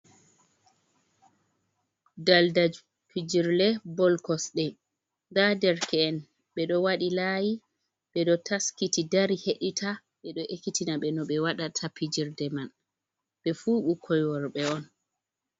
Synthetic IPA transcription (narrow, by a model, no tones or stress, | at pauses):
daldad͡ʒ | pʰid͡ʒiɾlɛbɔlkɔsɗɛ | ŋɡadɛɾkɛːn | ɓɛɗɔwaɗilaji | ɓɛɗɔtaskitidaɾiheɗitʰa | ɓɛɗɔʔekːitinaɓɛnɔɓɛwaɗatʰapid͡ʒiɾdɛman | ɓɛfuːɓukʰɔjwɔɾɓɛɔn